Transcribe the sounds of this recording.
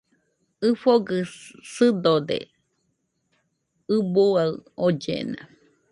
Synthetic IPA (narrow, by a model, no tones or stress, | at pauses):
ɨfoɡɨsɨd̪od̪ḛ | ɨbuaɨod͡ʒḛnã̰